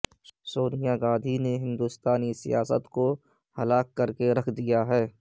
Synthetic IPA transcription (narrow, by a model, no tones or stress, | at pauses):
soːnijaɡaːd̪ʱineɦɪ̃nd̪ust̪aːnisḭjaːsə̰t̪ko | hɐlaːkːəɾkeɾɐkʰd̪ijaɦɛː